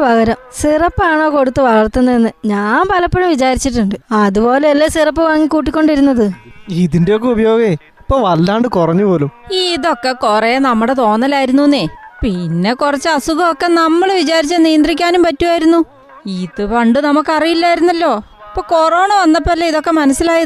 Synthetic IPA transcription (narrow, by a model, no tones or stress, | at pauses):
ʋɐɣɐɾɐmsirɐpːaːɳo̞ːko̞ɽut̪ːɨʋɐɭɐrt̪ːunːɐenːɨɲaːnpɐlɐpːeɻɐmʋit͡ɕaːɾit͡ɕːiʈːuɳɖɨɐðubo̞ːleːlːesirɐp̬ːɨʋaŋːikːuːʈ̬ːikʲːo̞ɳɖiɾunːɐðɨiðinde̞ok̬ːeubɐjo̞ːɡɐ | ɐpːoːʋɐlːaːɳɖɨkurɐɲːupo̞ːlumiðo̞kːe̞korenɐmːuɽe̞t̪o̞ːnːɐlaːjiɾunːunːeːpinːe̞kurɐt͡ɕːɨɐsuɡɐokːe̞nɐmːɐɭʋit͡ɕaːɾit͡ɕːɨnijɐnd̪rikʲːaːnumpɐtːuʋaːjiɾunːu | iðɨpɐɳɖɨnɐmukːɐrijilːaːjiɾunːɐlːo̞ː | pːoːkoroːɳɐʋɐnːɐp̬ːoɐlːeiðo̞kːe̞mɐnɐsːilaːjɐ